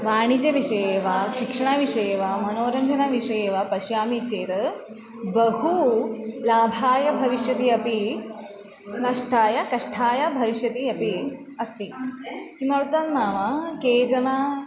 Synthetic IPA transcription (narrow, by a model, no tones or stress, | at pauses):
ʋaːɳ̃id͡ʒɐʋiʂɐjeːʋaʃikʂɐɳ̃aʋiʂɐjeːʋam̤ɐnoːɾɐnd͡ʒʱɐnaʋiʂɐjeːʋapɐʃjaːmit͡ʃeːɾɐ | bɐɦulaːbʱaːjɐbʱɐʋiʃjɐt̪iːɐpi | nɐʂʈʰaːjɐkɐʂʈʰaːjɐbʱɐʋiʃjɐt̪iːɐpi | ɐst̪ikimɐɾut̪annaːʋakeːd͡ʒɐna